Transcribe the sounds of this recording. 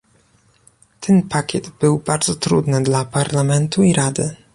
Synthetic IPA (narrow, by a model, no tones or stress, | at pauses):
t̪ʰɛnpakʲɛd̪bɘwbaɾd̪zɔt̪ɾṵd̪nɘd̪lapaɾlamɛnt̪uiɾad̪ɘ